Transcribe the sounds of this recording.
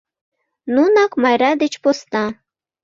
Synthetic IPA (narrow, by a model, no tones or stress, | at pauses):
nunɑkmɑjɾɑd̪et͡ɕpost̪ɑ